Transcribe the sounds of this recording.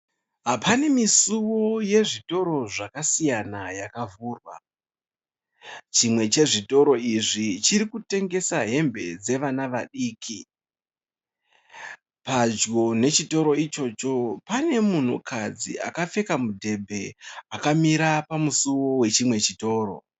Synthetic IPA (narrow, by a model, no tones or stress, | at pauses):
ɦapʰane̞misuwo̞je̞ʐito̞ɾo̞ʐakasijanajakavuːrwa̰ | t͡ʃimwe̞t͡ʃe̞ʐito̞ɾo̞iʐit͡ʃiɾikute̞ŋɡe̞saɦe̞mbe̞̰d͡ze̞ʋanaʋaɗiːkʰi | pad͡ʒɡo̞ne̞t͡ʃito̞ɾo̞it͡ʃo̞ːt͡ʃo̞pane̞mun̤ṵkʰad͡zḭʔa̰kafe̞kamudʱe̞bʱe̞akamiɾapamusuwo̞we̞t͡ʃimwe̞t͡ʃito̞ːɾo̞̰